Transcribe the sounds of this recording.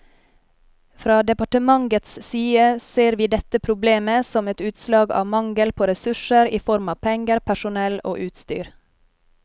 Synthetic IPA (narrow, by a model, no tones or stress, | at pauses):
fɾɑːd̪ɛpɑʈəmɑŋɡət̪ssyːəseːɾʋiːd̪ɛt̪əpʰɾʊbleːməsɔmɛt̪ʉːt̪slɑːɡɑ̰ːʋmɑŋɡəlpʰoːɾɛsʉʃəɾiːfɔɾmɑːpʰɛŋɡəɾpʰæʃʊnɛlo̰ːʔʉːt̪st̪y̰ːɾ